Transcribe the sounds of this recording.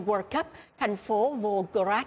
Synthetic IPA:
wəː˧kə˦˥p̚t̪ʰa˨˩jŋ̟fo˨˦vo˧ɣə˧ɾaː˦˥

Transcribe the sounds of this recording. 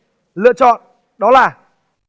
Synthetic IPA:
lɨ̰˧˨ət͡ɕɔ̰˧˨n | ɗɔ˨˦laː˨˩

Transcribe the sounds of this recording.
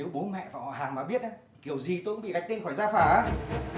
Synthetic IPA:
e˨˦wɓo˨˦nmɛ̰˧˨vaː˧˨whɔ̰˧˨ɦaː˨˩ŋmaː˨˩ɓi˦˥ət̚ʔaː˨˦ | ki˧˩əwzi˨˩t̪o˧kɓḭ˧˨ka˨˩jk̚t̪i˧ŋ̟xɔ˧˩jzaː˧faː˧˩ʔaː˨˦

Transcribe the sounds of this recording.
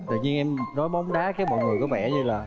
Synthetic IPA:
t̪ɨ̰˧˨˩ɲi˧ənʔɛ˧mnɔ˨˦jɓɔ˨˦wŋ͡mɗaː˨˦kaː˨˦jmɔ̰˧˨jŋɨ˨˩jku˧˩ɓɛ̰˧˩ɲɨ˧laː˨˩

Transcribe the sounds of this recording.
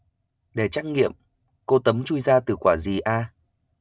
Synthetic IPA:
ɗe˧˩t͡ɕaː˦˥j̚ŋḭ˧˨əm | ko˧t̪ə˨˦mt͡ɕu˧jzaː˧t̪ɨ˨˩kwaː˧˩zi˨˩ʔaː˧

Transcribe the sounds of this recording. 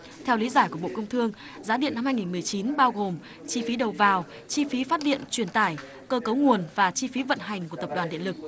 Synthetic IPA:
t̪ʰɛ˧wli˨˦zaː˧˩jku˧˩əɓo̰˧˨kə˧wŋ͡mt̪ʰɨ˧əŋ | zaː˨˦ɗḭ˧˨ənːa˧mhaː˧jŋi˨˩nmɨ˨˩əjt͡ɕi˨˦nɓaː˧wɣo˨˩m | t͡ɕi˧fi˨˦ɗə˨˩wvaː˨˩w | t͡ɕi˧fi˨˦faː˦˥t̚ɗḭ˧˨ənt͡ɕwi˧˩ənt̪aː˧˩j | kəː˧kə˨˦wŋu˨˩ənvaː˨˩t͡ɕi˧fi˨˦və̰˧˨nɦa˨˩jŋ̟ku˧˩ət̪ə˨˩p̚ɗwaː˨˩nɗḭ˧ənlɨ˨˩k̚

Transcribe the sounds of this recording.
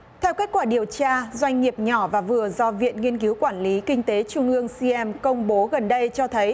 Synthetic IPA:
t̪ʰɛ˧wke˦˥k̚waː˧˩ɗi˨˩əwt͡ɕaː˧zwa˧jŋ̟ːi˨˩əp̚ɲɔ˧˩vaː˨˩vɨ˨˩əzɔ˧vḭ˧˨ənŋi˧ənki˨˦wkwaː˧˩nli˨˦kï˧ŋ̟t̪e˨˦t͡ɕʊ˧ŋ͡mʔɨ˧əŋsi˧ʔɛ˧mkə˧wŋ͡mɓo˨˦ɣə˨˩nɗə˧jt͡ɕɔ˧t̪ʰə˨˦j

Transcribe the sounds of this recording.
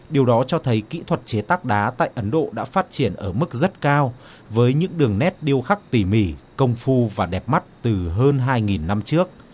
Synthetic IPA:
ɗi˨˩əwɗɔ˨˦t͡ɕɔ˧t̪ʰə˨˦jkḭ˧˥t̪ʰwə˨˩t̚t͡ɕe˨˦t̪aː˦˥k̚ɗaː˨˦t̪a̰ː˧˨jʔə˨˦nɗo̰˧˨ɗa̰ː˧˥faː˦˥t̚t͡ɕi˧˩ənʔəː˧˩mɨ˦˥k̚zə˦˥t̚kaː˧w | vəː˨˦jɲɨ̰˧˥ŋɗɨ˨˩əŋnɛ˦˥t̚ɗi˧əwxa˦˥k̚t̪i˧˩mi˧˩kə˧wŋ͡mfu˧vaː˨˩ɗɛ˨˩p̚ma˦˥t̚t̪ɨ˨˩ɦəː˧nɦaː˧jŋi˨˩nːa˧mt͡ɕɨ˦˥ək̚

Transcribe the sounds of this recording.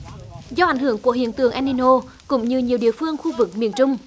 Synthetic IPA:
zɔ˧ʔa˧˩jŋ̟hɨ˧˩əŋku˧˩əɦḭ˧˩əŋt̪ɨ̰˧˩əŋʔa˧ni˧no˧ | kʊ̰˧˥ŋ͡mɲɨ˧ɲi˨˩əwɗḭ˧˨əfɨ˧əŋxu˧vɨ˨˩k̚mḭ˧˨ənt͡ɕʊ˧ŋ͡m

